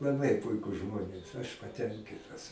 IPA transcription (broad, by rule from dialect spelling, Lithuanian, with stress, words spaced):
lˠɐˈbɐɪ ˈpʊɪkʊs ˈʒmoːnʲeːs ɐʃ pɐˈtʲɛŋʲkʲɪtɐs